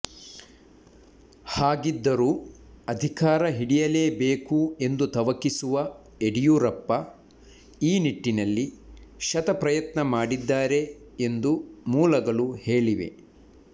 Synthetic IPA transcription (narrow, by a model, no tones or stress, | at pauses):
haːɡid̪ːɐɾuː | ɐd̪ʱikaːɾɐɦiɽijɐle̞ːbeːkue̞nd̪ut̪ɐʋɐkisuʋɐ | eɽijuɾɐpːɐ | iːniʈːinɐlːiʃɐt̪ɐpɾɐjɐt̪nɐmaːɽid̪ːaːɾe̞ | end̪umuːlɐɡɐɭuhe̞ːɭiʋe̞̰